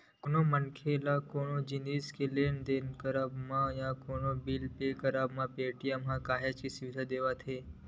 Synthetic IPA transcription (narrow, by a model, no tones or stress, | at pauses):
konomənkʰelakoɳod͡ʒiniskelend̪enkəɾabmãjãkonobilpekəɾabmãpeːʈijamɦãkaːɦet͡ʃkisɪʋɪd̪ʱad̪eːʋat̪ʰeː